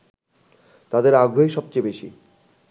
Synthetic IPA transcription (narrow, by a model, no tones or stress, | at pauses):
t̪ad̪eɾaɡʱojʃɔb̚t͡ɕejbeʃḭ